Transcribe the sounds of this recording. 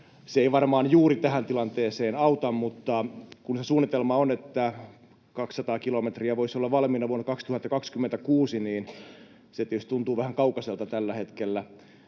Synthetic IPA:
seeiʋɑrmɑːnjuːrit̪æhænt̪ilɑnt̪eːseːnɑut̪ɑmmut̪ːɑkunsesuːnːit̪elmɑonet̪ːæ | kɑksːɑt̪ɑːkilomet̪riæʋoisolːɑʋɑlminɑʋuonːɑkɑkst̪uhɑt̪ːɑkɑkskymːent̪ækuːsiniːn | set̪iyst̪unt̪uːʋæhæŋkɑukɑselt̪ɑt̪ælːæhet̪kelːæ

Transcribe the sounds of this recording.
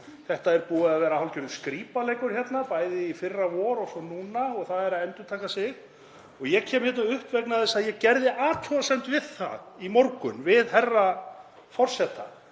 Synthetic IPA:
θɛht̪aɛɾpuːaðaðvɛːɾahawlcʏnʏskɾiːpalɛjkʏɾ̥çjɛt̪napaːjðɪifɪrːavɔːɾɔɣsɔnuːnaɔɣθaðɛɾaðɛnt̪ʏt̪ʰakasɪɣ | ɔɣjɛɣcʰɛːmçɛt̪naʏhpvɛknaðɪsaðjɛɣcɛɾðɪʔaːt̪ʰɔasɛmt̪vɪð̥θa̰ðimoɾkʏnvɪðhɛrːa | fɔr̥sɛt̪a̰

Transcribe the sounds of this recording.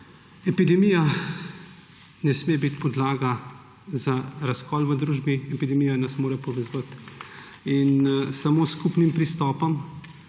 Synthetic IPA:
ɛpid̪ɛmija | nɛsmeːbit̪pɔd̪laːɡa | zaɾaskɔːlʋəd̪ɾuːʒbiɛpid̪ɛmijanasmoːɾɛpɔʋɛzʋat̪ | insamoːskupnimpɾist̪ɔːpɔm

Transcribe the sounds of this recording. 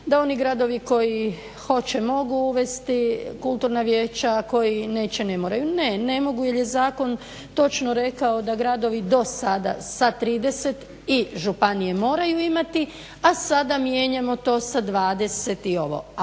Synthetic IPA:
d̪ao̞niɡɾad̪o̞ʋiko̞ji | xo̞t͡ɕe̞mo̞ɡuuʋe̞st̪ikulˠt̪uɾnaʋje̞ːt͡ɕako̞jine̞ːt͡ɕe̞ne̞moːɾajunene̞mo̞ɡujelje̞zaːko̞n | t̪o̞t͡ʃno̞ɾe̞kaod̪aɡɾad̪o̞ʋid̪o̞sad̪a̰sat̪ɾiːd̪e̞se̞t̪ | iʒupanije̞mo̞ːɾajuimat̪i | asad̪amje̞ːɲamo̞t̪o̞ːsad̪ʋaːd̪e̞se̞t̪io̞ʋo̰

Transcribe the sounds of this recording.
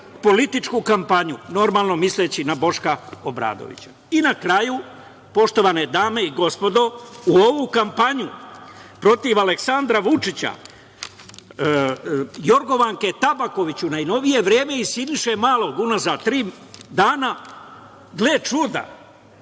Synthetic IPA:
po̞lit̪it͡ʃkukampaɲuno̞ɾmaːlˠno̞mislet͡ɕinabo̞ʃkao̞bɾa̰ːd̪o̰ʋḭt͡ɕḁ | inakɾaju | po̞ʃt̪o̞ʋaned̪aːme̞iɡo̞spo̞d̪o̞uo̞ʋukampaɲupɾo̞t̪iʋale̞ksand̪ɾaʋut͡ʃit͡ɕa̰ | jo̞ɾɡo̞ʋaŋke̞t̪abako̞ʋit͡ɕunajno̞ʋije̞ʋɾje̞ːme̞isiniʃemaːlˠo̞ɡunazat̪ɾiː | d̪aːna | ɡlet͡ʃud̪a̰

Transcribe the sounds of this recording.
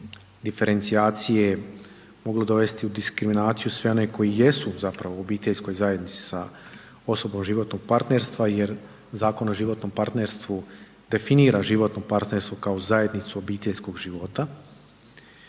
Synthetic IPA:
d̪ife̞ɾe̞nt̪siaːt̪sije | mo̞ɡled̪o̞ʋe̞st̪iud̪iskɾiminaːt̪sijusʋeo̞ne̞ko̞jije̞suzapɾaʋoːbiːt̪e̞ʎsko̞jzaje̞d̪nit̪i̥sa | o̞so̞bomʒiʋo̞t̪noɡ̥̚paɾt̪ne̞ɾst̪ʋaje̞ɾ | zaːko̞no̞ʒiʋo̞t̪no̞mpaɾt̪ne̞ɾst̪ʋu | d̪e̞finiːɾaʒiʋo̞t̪nopaɾt̪ne̞ɾst̪ʋokaozaje̞d̪nit̪suobiːt̪e̞ʎsko̞ɡʒiʋo̞t̪a

